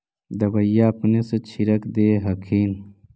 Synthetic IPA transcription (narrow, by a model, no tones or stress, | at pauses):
d̪ɐbɐjːapneset͡ɕʰiɾɐkd̪eːɦɐkʰiːn